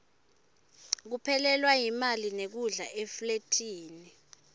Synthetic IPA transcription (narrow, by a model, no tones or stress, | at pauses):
k̬upʰɛlɛlwajimalinek̬uɮaʔefletʰiːni